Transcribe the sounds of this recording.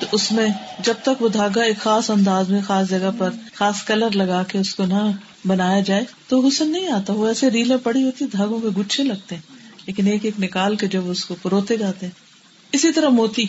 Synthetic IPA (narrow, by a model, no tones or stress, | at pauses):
t̪oʔʊsmẽd͡ʒɐb̚t̪ɐkʋod̪ʱaːɡaeːkxaːsɐ̃nd̪aːzmẽxaːsd͡ʒɐɡəpɐɾxaːskɐləɾlɐɡaːkeʊskonɐ | bɐnaːjad͡ʒaːet̪oʋoɡʊsənːɐɦĩaːt̪aʋoɛːseɾiːlẽpɐɽiɦoːt̪iɛd̪ʱaːɡõkeɡʊt͡ʃʰẽlɐɡ̚t̪eɦɛ̃ːleːkɪneːkeːknɪkaːlked͡ʒɐbʊskopʊɾoːt̪ed͡ʒaːt̪eɦɛ̃ː | ɪsit̪ɐɾəmoːt̪i